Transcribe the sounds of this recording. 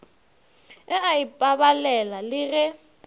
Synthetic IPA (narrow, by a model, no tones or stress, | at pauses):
ɛaipʼabalɛlalɪɣɛ